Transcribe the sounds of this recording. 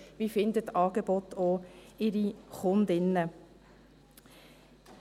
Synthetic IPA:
vifɪndətːɑːɡ̥ebɔt̪oɪɾiχʊnd̪ɪnːə

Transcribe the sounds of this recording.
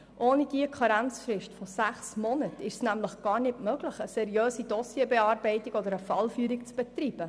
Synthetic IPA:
ʔoːnid̥iəkʰɑɾænt͡sfɾɪʃtfɔsæχsmɔnətɪʃsnæmləχɡ̥ɑːɾnɪtmøɡ̥ləχəsɛɾijøːsidɔsjebɛɑːɾbɛɪtiɡ̥ɔd̪əɾəfɑlfyːɾikt͡sb̥ɛt̪ɾiːb̥ə

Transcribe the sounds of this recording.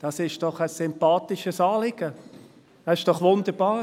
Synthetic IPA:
d̥ɑsɪʃd̥ɔχəsːʏmpɑːt̪ɪʃəsɑːlɪɡ̥ə̥ | ɑɪʃd̥ɔχʋʊnd̪əɾb̥ɑːɾ

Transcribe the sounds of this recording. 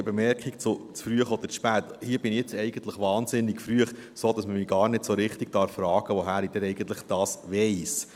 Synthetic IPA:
bɛmɛɾkikt͡sʊt͡sfɾyəχɔd̪əʃpæːt̪hiːəb̥ɪniɛt͡sɛɪɡ̥ənt̪ləχʋɑːnzɪnːɪɡfɾyəχ | soːd̪̥ɑsməmiɡ̥ɑːɾnɪdsoɾɪχt̪iɡ̥̚tɑːɾfɾɑːɡ̥əʋoɦæːɾid̥̪ɛnɛɪɡənt̪ləχd̥ɑːsʋɛɪs

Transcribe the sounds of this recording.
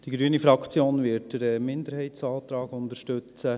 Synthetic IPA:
d̥iɡɾyənifɾɑkt͡sjoːnvɪɾt̚d̥əɾɛmɪnd̪əɾhɛɪtsɑːt̪ɾɑːɡʊnd̪əɾʃtɵt͡sə

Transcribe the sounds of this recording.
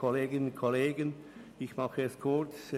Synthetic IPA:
oleːɡɪnnkʰoleːɡən | ɪçmɑχəɛskʰʊt͡s

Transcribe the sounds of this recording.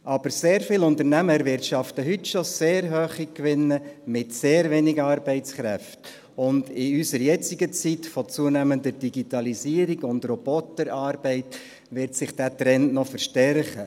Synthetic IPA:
ʔɑb̥əɾseːɾfɪlʊnt̪əɾnæməɾʋɪrtʃɑftəɦʏtʃɔseːɾɦøːχikʋɪnːəmɪtseːɾveːnɪɡəɑːɾbɛɪtt͡skɾɛft | ʊndɪysəɾjɛt͡siɡət͡sitfɔt͡suənæməndəɾd̥iɡitɑlisiːəɾiɡʊndrɔb̥ɔtəɾɑːɾb̥ɛɪt | ʋɪɾtsɪχd̥æt̪ɾɛnnɔfəɾʃtɛɾχə

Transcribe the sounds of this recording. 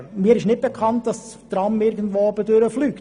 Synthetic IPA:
miːəɾɪʃnɪt̚b̥ɛkʰɑnt̚d̥ɑs | tɾɑmɪɾɡən̩dʋoːɔbədøɾəflyːk

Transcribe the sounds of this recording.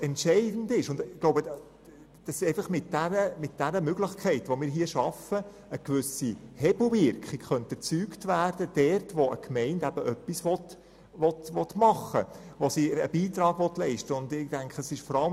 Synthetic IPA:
ɛntʃɛɪd̥n̩dɪʃʊndɪɡloʊbəd | d̥ɑsʃeɪfəχmɪt̚d̥æɾəmɪt̚d̥æɾəmʏɡlɪχkʰɛɪtʋomɪːɾɦiəʃɑfə | əkʋʏsihɛbl̩vɪɾkχikχœntɛt͡syːktʋæːrd̥əd̥ɛrtʋoə̰kmɛɪndæb̥əʔœpːisʋɔt | ʋɔtʋɔtmɑχːəʋosiəbiːt̪ɾɑːɡ̥ʋɔtlɛɪʃtəʊndɪd̥æŋkχəəsɪʃfɔɾɑlə

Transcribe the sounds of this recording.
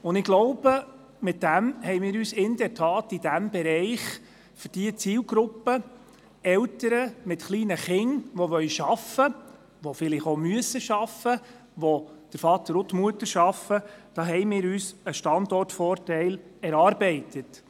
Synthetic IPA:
ʊndɪɡ̥lɔʊbə | mɪt̚d̥æmhɛɪjmɪːɾyːsɪnd̥ɛɾtʰɑːtid̥æmb̥ɛɾɛɪχ | fʏɾd̥iət͡siːlɡɾʊpːə | ɛltəɾəmɪtχliːnəχɪŋʋɔʋœʏʃɑfə | ʋɔfɪlɪχomyəsəʃɑfə | ʋɔd̥əɾfɑt̪əɾʊt̪muətəɾʃɑfəd̥ɑːɦɛɪmɪːɾyːsəʃtɑndɔrtfɔːrtɛɪlɛɾɑːɾbɛɪtət

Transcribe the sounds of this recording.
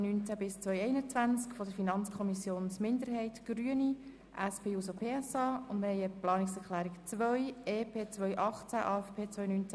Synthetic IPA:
nynt͡sæbɪst͡sʋœʏɛɪnət͡sʋænt͡skfɔdəɾfinɑnt͡skʰɔmisjoːnsmɪnd̪əɾɦɛɪtɡ̥ɾyəni | ʔæspʰeːuːsopʰeːɛsɑːʊndməhɛɪəplɑːnɪksɛɾχlæːɾɪkt͡sʋœʏeːpʰeːt͡sʋœʏʔɑχt͡sæʔɑ̰ːɛfpʰeːt͡sʋœjnyːnt͡sæ

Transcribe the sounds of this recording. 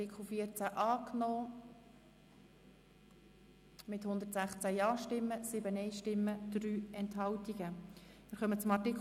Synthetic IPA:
ɪkʰl̩fiəɾt͡sæʔɑːknɔː | mɪt̪hʊnd̪əɾtsæχt͡sæjɑːʃtɪmːəsɪbənɛɪʃtɪmːəd̪̥ryːɛnthɦɑwtiɡ̥əmɪːɾχœmət͡sʊmɑrtik

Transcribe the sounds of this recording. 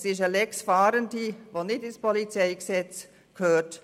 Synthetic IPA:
sɪʃəlɛksfaːɾəndiʋoːnɪtɪnspʰɔlit͡sɛɪksɛt͡s | kʰhøːt

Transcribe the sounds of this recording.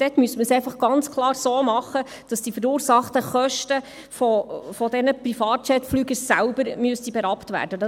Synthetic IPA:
d̥ɛtmyəsməsɛɪfɑχɡ̥ɑnt͡skʰlˠɑːɾsoːmɑχːə | d̥ɑsd̥ifəɾuːɾsɑχtəχœʃtə | fɔfɔdɛnəprifɑːt̚t͡ʃɛtflyːɡəsælbəɾmyəstibɛɾɑptvæ̰ːrd̥əd

